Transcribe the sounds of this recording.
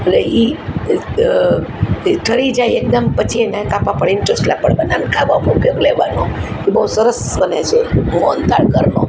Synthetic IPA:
əlei | ʈʰəɽid͡ʒajek̚d̪əmpət͡ʃʰienakapapəɽɪnʈosʈla̰pəɽbənankʰaʋamũkekleʋano | ibəusəɾəsbənet͡ʃʰemont̪aɽkəɾno̰

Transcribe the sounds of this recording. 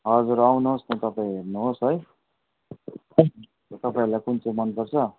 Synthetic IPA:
ɦʌd͡zuɾawnuɦost̪ʌt̪ʌpãĩɦernuɦosɦʌj | t̪ʌpaĩlajkunt͡somʌnpʌrt͡sʰʌ

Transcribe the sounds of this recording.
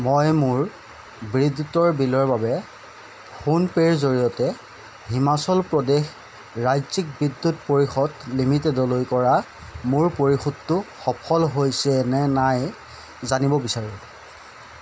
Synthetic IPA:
mojmʊɹ | bɹidutɔɹbilɔɹbabɛ | xunpeɹzoɹijɔtɛ | himasɔlpɹɔdex | ɹajzik̚bidːutpoɹixɔdlimitedɔlojkɔɹa | mʊɹpoɹixudːʊxɔpʰɔlɦojsɛnɛnaj | zanibɔbisaɹũ

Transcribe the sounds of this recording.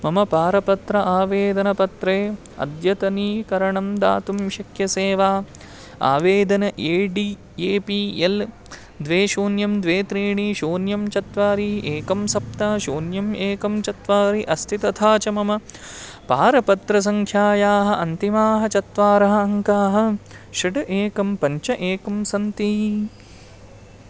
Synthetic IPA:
mɐmɐpaːɾɐpɐt̪ɾɐʔaːʋeːd̪ɐnɐpɐt̪ɾeː | ɐ̰d̪jɐt̪ɐniːkɐɾɐɳɐmd̪a̰ːt̪umʃɐkʰjɐseːʋaː | a̰ːʋeːd̪ɐnɐʔeːɖi | eːpiːel | d̪ʋeːʃoːnjɐmd̪ʋeːt̪ɾiːɳiʃoːnjɐmt͡ʃɐt̪ʋaːɾiʔeːkɐmsɐp̚t̪ɐːʃoːnjɐmeːkɐmt͡ʃɐt̪ʋaːɾiʔɐst̪ʰit̪ɐt̪ʰaːt͡ʃɐmɐmɐ | paːɾɐpɐt̪ɾɐs̬ɐŋkʰjaːjaːɦɐ̆ʔɐnt̪imaːɦɐt͡ʃɐt̪ʋaːɾɐɦɐːŋkaːɦɐ̆ | ʃɐʈɐʔeːkɐmpɐɲt͡ʃɐʔeːkɐmsɐnt̪i

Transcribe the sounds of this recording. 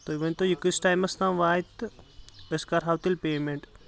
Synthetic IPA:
t̪oːiʋɐnt̪ojikisʈaːjmɐsnamʋaːt̪ | eskaɾɦaːwt̪ilpeːmeɳʈ

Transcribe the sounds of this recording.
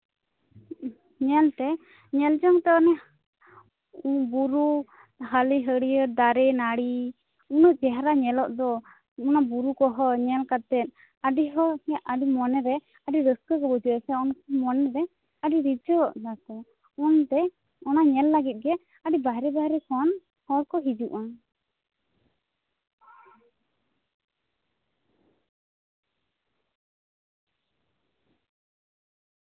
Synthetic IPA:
ɲɛlt̪ɛ | ɲɛld͡ʒɔŋt̪ɛɔnɛ | ubuɾu | ɦəliɦəɽijəd̪aɾɛnaɽi | unuʔd͡ʒɛɦɾaɲɛlɔʔd̪ɔ | unabuɾukɔɦɔɲɛlkat̪ɛt̪̚ | əɖiɦɔəɖimɔnɛɾɛ | əɖiɾəskəkɛbud͡ʒiəsɛɔnkɔmɔnɛɾɛ | aɖiɾid͡ʒɔd̪at̪ɛ | ɔnt̪ɛ | ɔnaɲɛlːaɡit̪̚ɡɛ | aɖibaɦɾɛbaɦɾɛkɔn | hɔɽkɔɦid͡ʒuʔɔn

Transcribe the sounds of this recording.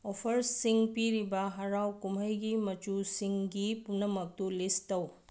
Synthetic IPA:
opʰɐɾsiŋpiɾibɐɦɐɾawkumɐjɡimɐt͡ʃusiŋɡipunːɐmɐk̚tulistɐw

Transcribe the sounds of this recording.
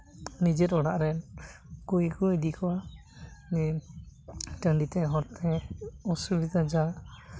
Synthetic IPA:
nid͡ʒɛt̪ɔɽaʔɾɛnkujikud̪ikɔwa | nɛ | ʈəɳɖit̪ɛɦɔɾt̪ʰɛɔsubid̪ʱad͡ʒa

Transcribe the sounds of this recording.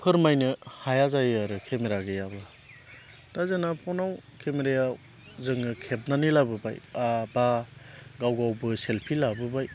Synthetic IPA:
pʰɯɾmajnɯhajazajaɾɯkʰemeɾaɡɯjabla | tazenapʰɔnawkʰemeɾeja | zɯŋɯkʰep̚nanilabɯba̰jabaɡawɡawbɯselpʰilabɯbaj

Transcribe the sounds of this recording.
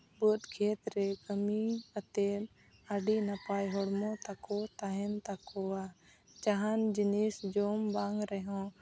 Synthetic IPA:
but̪kʰeːt̪ɾɛkəmikət̪e | aɖinapajɦɔɽmɔ̃t̪akɔt̪aɦɛnt̪akɔa | t͡ʃaɦand͡ʒinisd͡ʒoːmbaŋɡɾɛɦɔ̃

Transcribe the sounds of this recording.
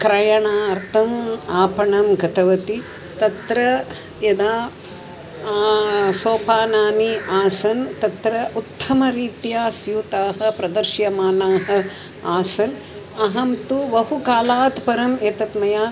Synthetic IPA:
kɾɐjɐɳaːɐɾt̪ʰɐmaːpɐɳɐmɡɐt̪ɐʋɐt̪i | t̪ɐt̪ɾɐ | jɐd̪aː | soːpaːnaːmiaːsɐnt̪ɐt̪ɾɐʔut̪ʰːɐmɐɾiːt̪jaːsjuːt̪aːɦɐ̆pɾɐd̪ɐɾʃjɐmaːnaːɦɐ̆ | aːsɐn | ɐɦɐmt̪uʋɐɦukaːlaːt̪pɐɾɐmeːt̪ɐt̪mɐjaː

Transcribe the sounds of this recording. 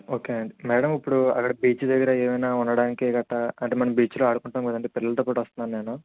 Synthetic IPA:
o̞ːkeːɐɳɖimɛːɽɐmipːuɽuɐ̰kːɐɽɐbiːt͡ʃud̪ɐɡɐɾaeːmɐjnaːunːɐɽaːnikeːɡɐʈːɐɐɳʈeːmɐnɐmbiːt͡ʃloːɐːɽukuɳʈaːmɡɐd̪ɐɳʈeːpilːɐlɐt̪̬ɐpːɐːʈʋɐst̪unːaːnne̞ːnu

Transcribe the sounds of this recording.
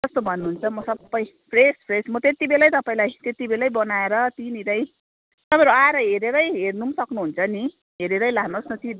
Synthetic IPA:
d͡zʌst̪obʱʌnːuɦunt͡sʰʌmʌsʌbːʌj | pʰrespʰresmʌt̪et̪ibelajt̪ʌpaĩlajt̪et̪ibelajbʌnaeɾʌt̪iniɾʌj | t̪ʌpãĩɾoaɾʌɦeɾeɾʌjɦernusʌknuɦunt͡sʰʌni | ɦeɾeɾʌjlaknosnʌt̪i

